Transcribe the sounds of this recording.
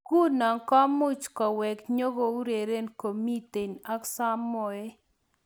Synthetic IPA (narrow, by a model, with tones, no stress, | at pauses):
ku˦nɔ˨ŋkɔ˦mʊ˦t͡ʃkɔ˨wɛ˨kɲo˦ɡo˦u˦ɾe˨ɾe˦nko˨mi˦t̪e˨na˦ksa˦mɔ˨e˦